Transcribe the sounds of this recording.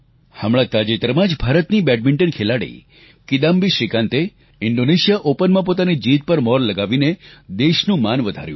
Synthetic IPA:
həmɭat̪ad͡ʒet̪əɾmãd͡ʒbʱaɾət̪nibɛɖ̚mɪɳʈənkʰelaɽḭ | kid̪ambiʃɾikãnt̪e | ɪɳɖoneʃijaʔopənmãp̬ot̪anid͡ʒit̪̚pəɾmɔɾləɡaʋined̪eʃnũmanʋəd̪ʱa̰ɾjṵ̃

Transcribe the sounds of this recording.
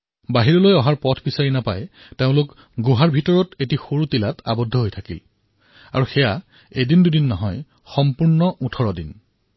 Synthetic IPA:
baɦiɹɔlojɔɦaɹpɔtʰbisaɹinapa̰j | teʊ̃lʊk | ɡuɦaɹbʱitɔɹɔtetixoɹutilatʰa̰bɔdʱɔɦojtʰakil | a̰ɹuxɛja | edindudinːɔɦɔj | xɔmpuɹnɔʔutʰɔɹɔdin

